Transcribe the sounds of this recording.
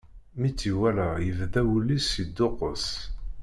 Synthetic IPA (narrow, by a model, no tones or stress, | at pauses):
mit͡sːiwælæjəvðæwulːisːid̪ːʊqəs